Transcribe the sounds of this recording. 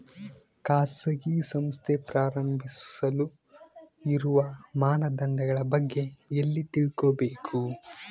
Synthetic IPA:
kaːsɐɡisɐmst̪ʰepɾaːɾɐmbʱissɐlu | iɾuʋɐmaːnɐd̪ɐnd̪ɐɡɐɭɐbɐɡːe̞elːit̪iɭkobeːkʰu

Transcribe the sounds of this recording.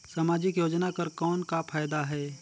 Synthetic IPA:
saːmaːd͡ʒɪkjoːd͡ʒnakɐɾkɔːnkapʰaːjd̪aɦɛː

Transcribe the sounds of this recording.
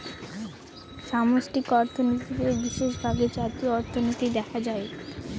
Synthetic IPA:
ʃamoʃʈikɔɾt̪ʰonit̪id̪eɾbiʃeʃbʱaɡed͡ʑat̪ioɔɾt̪ʰonit̪id̪ɛkʰad͡ʑae

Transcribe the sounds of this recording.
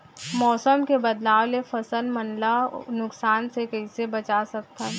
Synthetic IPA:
mɔːsəmkebəd̪laːwlefʰɐsəlmənlanʊksaːnsekɐɪsebət͡ʃasɐk̚t̪a

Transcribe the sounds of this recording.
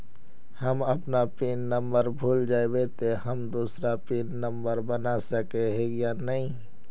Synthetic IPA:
hɐmɐpnapiːnːə̃mbəɾbʱuːld͡ʒaːebet̪eɦəmd̪uːsɾapiːnːə̃mbəɾbənasəkeɦeɡjanɐɦĩ

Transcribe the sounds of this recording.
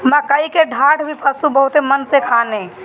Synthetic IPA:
məkəjkeɖʱaʈʰbʱipʰəsubəɦut̪emənsekʰane

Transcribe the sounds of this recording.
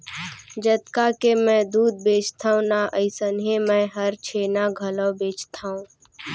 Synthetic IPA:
d͡ʒət̪kakemɛ̃ːd̪uːd̪̚beːt͡ʃt̪ʰaːũnaʔəɪsənɦemɛ̃ːɦəɾt͡ʃʰeːnaɡʱələwbeːt͡ʃt̪ʰaːũː

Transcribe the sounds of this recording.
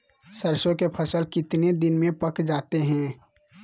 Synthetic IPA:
səɾʃõkepʰɐsəlkɪt̪ned̪ɪnmẽpɐkd͡ʒaːt̪eɦɛ̃ː

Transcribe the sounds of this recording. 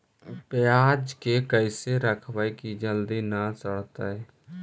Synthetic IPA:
pjaːd͡ʒkekəɪseɾəkʰʋəekid͡ʒəld̪inasəɽ̤t̪aɛː

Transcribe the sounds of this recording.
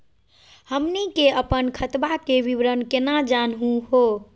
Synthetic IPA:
həmnikeəpənkʰət̪bakeʋibɾənkenad͡ʒanɦũɦo

